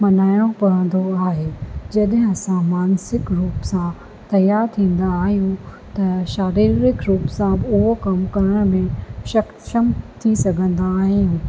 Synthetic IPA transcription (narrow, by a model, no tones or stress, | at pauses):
mɐnaːɪɽ̃õpɐɽ̤ə̃nd̪oaːɦeːd͡ʑɐɗɦɪ̃ɐsãmaːnsɪkɾuːpsã | t̪ɐjaːɾt̪ʰĩːn̆d̪aːɦijũ | t̪ɐʃaːɾiːɾɪkɾuːpsãbʊɦokɐmkɐɾəɽ̃mẽʃɐx | ʃəmt̪ʰisɐɡʱə̃nd̪aːɦijũː